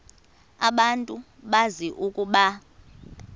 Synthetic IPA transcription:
aɓantʼu | ɓaziʔukʼuɓa

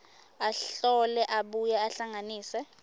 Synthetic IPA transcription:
aɬɔlɛʔaɓujɛaɬaŋaniːsɛ

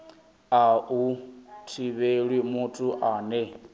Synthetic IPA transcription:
autʰiβeɺwimutʼuʔaːnɛ

